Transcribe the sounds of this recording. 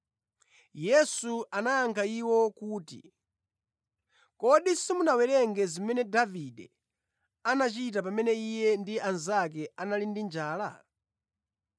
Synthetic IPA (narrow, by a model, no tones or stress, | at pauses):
jɛsuanaːŋkʰaiwɔkuːtḭ | kɔɗisimunawɛɾɛŋɡɛzimɛnɛdavidɛ̰ | anat͡ʃit̬ap̬amɛnɛijɛndianzak̬ɛanalindind͡ʒaːla̰